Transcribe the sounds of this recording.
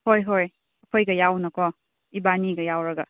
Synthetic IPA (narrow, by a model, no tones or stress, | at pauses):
hojɦoj | ɐkʰojɡɐjawnɐkʰɔ | ibaniɡɐjawɾɐɡɐ